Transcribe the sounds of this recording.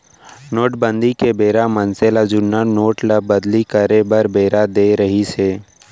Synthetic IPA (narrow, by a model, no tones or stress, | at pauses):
noːʈbə̃nd̪ikebeːɾamənselad͡ʒʊnːanoːʈlabɐd̪likəɾebɐɾbeːɾad̪eːɾɐɦiseː